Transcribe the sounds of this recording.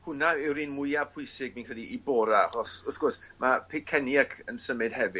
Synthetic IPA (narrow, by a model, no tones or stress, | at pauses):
hʊnaɪwɾiːnmʊjapʰʊɨsɪɡ̚mĩnkrilˠiʔibɔːɾaaχɔsʊθɡ̥ʊrsmapʰekʰɛnjakʰənsəmɨd̥hɛvɨ